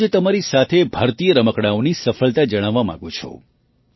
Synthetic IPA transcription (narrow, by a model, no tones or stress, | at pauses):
t̪əmaɾisat̪ʰebʱəɾt̪ijəɾəməkɽ̃aonisəfəɭt̪ad͡ʒəɽ̃aʋːamã̰ɡũt͡ʃʰɔ̰